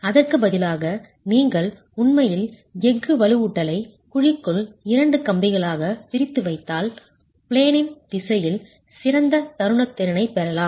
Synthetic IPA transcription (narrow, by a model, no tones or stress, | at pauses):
ɐðɐrkɯbɐðɪlaːɣɐ | niːŋɡɐɭ | ʊɳmɐjɪl | ɛŋɡɯʋɐlɯʋuːʈːɐlɐɪkʊɻɪkːɯɭɪɾɐɳɖɯkɐmbɪɣɐɭaːɣɐpɪɾɪt̪ːɯʋɐɪt̪ːaːl | pɪɭeːnɪnd̪ɪsɐjɪl | sɪɾɐnd̪ɐt̪ɐɾɯɳɐt̪ːɛɾɐnɐɪpːɛɾɐlaːm